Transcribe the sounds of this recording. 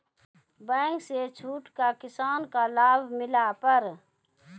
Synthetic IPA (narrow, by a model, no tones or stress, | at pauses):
bəŋkset͡ʃʰuːʈkakɪsaːnkalaːbʱmɪlapəɾ